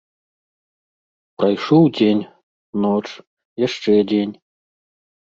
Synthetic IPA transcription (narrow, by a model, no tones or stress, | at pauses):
pɾɐjʂowdʲenʲ | not͡ʂ | jaʂʈ͡ʂɛdʲenʲ